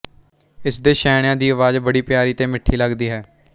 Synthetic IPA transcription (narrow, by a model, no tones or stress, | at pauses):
ɪsd̪eːʃɛːɽ̃jãːd̪iːəʋaːzbəɽiːpɪjaːɾiːt̪eːmɪʈʰːiːləɡd̪iːɦɛː